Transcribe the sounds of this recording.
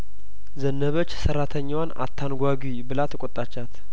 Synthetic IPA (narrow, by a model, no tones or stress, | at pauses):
zənːəβət͡ʃːsərːat̪ʰəɲːwana̰t̪ʰːanɡʷaɡibɨlat̪ʰəkʼot̪ʼːat͡ʃːat̪